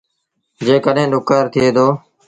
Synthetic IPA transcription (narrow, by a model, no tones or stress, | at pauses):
d͡ʒeːkəɗɦẽːɗʊkːaːɾt̪ʰɪeːd̪oː